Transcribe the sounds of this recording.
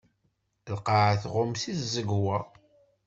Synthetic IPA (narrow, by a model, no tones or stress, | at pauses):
lqɑʕθʁʊmsiθzəɡwæ